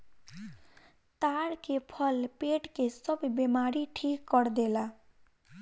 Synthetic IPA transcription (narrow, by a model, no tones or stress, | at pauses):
t̪aːɽkepʰəlpeːʈkesəbbemaːɾiʈʰiːkːəɽd̪ela